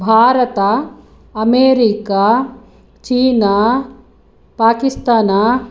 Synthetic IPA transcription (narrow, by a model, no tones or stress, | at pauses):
bʱaːɾɐt̪a | ɐmeːɾikaː | t͡ʃiːna | paːkist̪aːna